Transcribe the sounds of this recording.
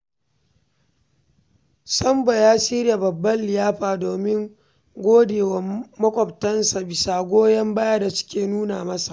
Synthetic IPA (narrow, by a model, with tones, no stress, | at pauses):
sɐ˦mba˨jaː˦siː˦ɾja˨bɐ˨bːɐ˦lːɪ˨jaː˦ɸaː˨doː˨mɪ˦ŋ | ɡʷoː˦deː˨wɐ˨mmɐ˦kʷʼɐ˨p̚tɐ˦nsa˨bɪ˨saː˨ɡʷoː˦jɐ˦mbaː˦ja˦da˨sɪ̥˦kʲeː˨nuː˦na̰ː˨mɐ˦sa˨ʔ